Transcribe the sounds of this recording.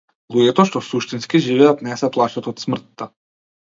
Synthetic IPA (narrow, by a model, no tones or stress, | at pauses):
lˠuɟɛt̪ɔʃt̪ɔsuʃt̪inskiʒivɛat̪nɛsɛplˠat͡ʃat̪ɔt̪smr̩t̪ːa